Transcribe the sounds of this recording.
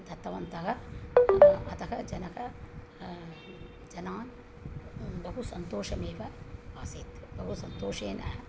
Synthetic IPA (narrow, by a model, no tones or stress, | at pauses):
d̪ɐt̪ːɐʋɐnt̪ɐɦɐ | ɐt̪ɐkɐd͡ʒɐnɐkɐ | d͡ʒɐnaːn | bʱɐɦusɐnt̪oːʃɐmeːʋɐaːsiːt̪bʱɐɦusɐnt̪oːʃeːnɐ